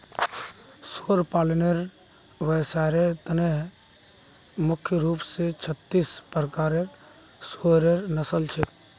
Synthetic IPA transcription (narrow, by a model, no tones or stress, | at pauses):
soːɾpaːlneɾ | ʋəsaːɾet̪əneɦ | mʊkʰjəɾuːpset͡ʃʰət̪ːispɾəkaːɾeɾ | soɾeɾnəsəlt͡ʃʰe